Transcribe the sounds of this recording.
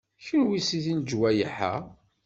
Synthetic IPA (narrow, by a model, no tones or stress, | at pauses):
çənwisiθind͡ʒwæjəħa̰